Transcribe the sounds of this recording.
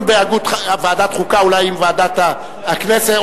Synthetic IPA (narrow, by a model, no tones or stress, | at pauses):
mbeaɡut̪vead̪at̪χukaulajimvead̪at̪aː | knese